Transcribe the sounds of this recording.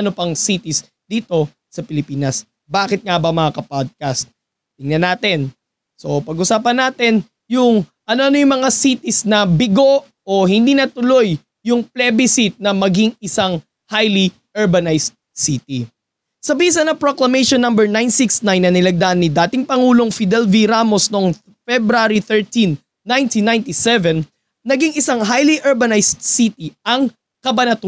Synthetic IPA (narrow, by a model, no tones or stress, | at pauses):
ɐnopɐŋsit̪ɪs | d̪̥iːt̪o̞ | sɐpɪlɪpiːnɐs | baːkɪt̪̚ŋabɐmɐŋakɐpad̪̚kɐst̪̚ | t̪ɪŋnɐnaːt̪ɪn | so̞pɐɡʔʊsaːpɐnːaːt̪ɛn | jʊŋʔɐnoʔɐnojʊŋmɐŋasit̪isnɐbɪɡo̞ʔ | oɦɪnd̪iːnɐt̪ʊlo̞j | jʊŋplɛbɪsɪt̪̚nɐmɐɡiŋɪsaŋ | hajli | ʔɛɹbɐnajst̪̚sit̪ḭ | sɐbis̬ɐnɐpɾoklɐmejʃonːɐmbɛɹnajnsiksnajnːɐnɪlɐɡ̚d̪ɐʔanːid̪aːt̪ɪŋpɐŋuːlo̞ŋfid̪ɛlviɾaːmo̞snoŋ | fɛbɾaɾiθɛɹt̪inː | ajnt̪inːajnt̪isɛvɛn | nɐɡiŋɪsaŋɦajliʔɛɹbɐnajst̪̚sit̪iʔɐŋ | kɐbɐnɐt̪